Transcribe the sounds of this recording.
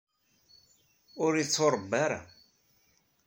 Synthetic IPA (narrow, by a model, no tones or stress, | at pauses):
ʊɾit͡sːoɾˤəbːaɾa̰